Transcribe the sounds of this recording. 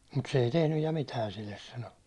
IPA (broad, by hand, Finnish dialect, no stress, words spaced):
mut se ei tehnyj jɑ mitæːn̞ silːes sɑno